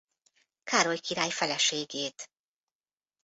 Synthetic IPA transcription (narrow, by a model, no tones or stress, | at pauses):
kaːɾo̞jkiɾaːjfɛlɛʃeːɡeːt̪